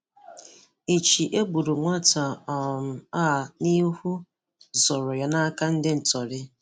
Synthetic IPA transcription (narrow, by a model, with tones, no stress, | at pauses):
i˨t͡ʃi˨ʔe˦ɡ͡bu˨ɾu˨ŋʷa˦ta˨ɔ˨m̩˨a˦˨ni˦hu˦ | zɔ˨ɾʊ˨ja˦na˦ka˦n̩˦dɪ˦n̩˨tɔ˨ɾɪ˦